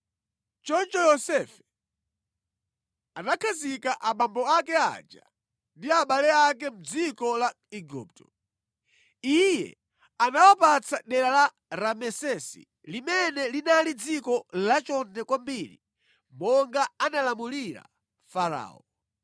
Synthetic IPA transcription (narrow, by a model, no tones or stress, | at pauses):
t͡ʃɔnt͡ʃɔjɔsɛfɛ̥ | anakʰazikaʔamambɔakɛa̰d͡ʒa | ndiaɓalɛak̬ɛm̩d͡zikɔla | iɡṵːp̚tʰɔ̥ | ijɛ̰ | anawapat͡saɗɛɾala | ɾamɛsɛsḭ | limɛnɛlinalid͡zikɔlat͡ʃɔntɛkwambiɾḭ | mɔŋɡaanalamuliɾa̰ | faɾa̰ːɔ